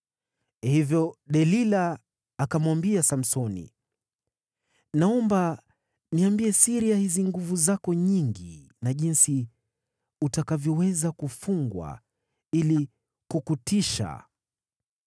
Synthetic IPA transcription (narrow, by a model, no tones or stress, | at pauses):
hivjɔɗɛlilaː | kamwambiasam̩sɔnḭ | naɔmba | niambiɛsiɾiahiziŋɡuvuzakɔɲiŋɡi | naʄinsi | utakavjɔwɛzakufuŋɡwa̰ | ili | kukutiʃa̰